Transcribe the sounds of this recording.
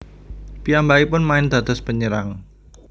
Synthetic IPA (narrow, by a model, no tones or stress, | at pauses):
piambaipʊnmaɪnd̪̥a̤d̪̥ɔ̤spəɲəɾaŋ